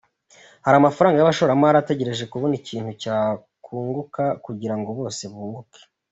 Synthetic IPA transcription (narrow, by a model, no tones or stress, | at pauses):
haɾamafaɾaːŋɡajaβaʃo̞ɾamaɾate̞ɟeɾe̞ʒe̞kuβo̞niciːn̥hucaː | kʰuːŋɡukakuɟiɾaŋɡo̞βo̞ːse̞βuːβuke̥